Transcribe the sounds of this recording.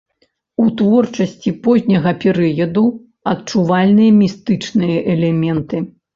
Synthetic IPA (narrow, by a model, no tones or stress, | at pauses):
ut̪vɔrt͡ʂɐsʲt͡sʲipɔzʲnʲɐɣɐpʲɛɾɨjɐd̪u | ɐt̪̚t͡ʂuvalʲnɨjɐmʲist̪ɨt͡ʂnɨjɐʔɛlʲɛmʲɛnt̪ɨ